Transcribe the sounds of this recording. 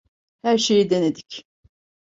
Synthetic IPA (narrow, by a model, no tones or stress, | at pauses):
hæɾʃe̞jid̪ened̪ic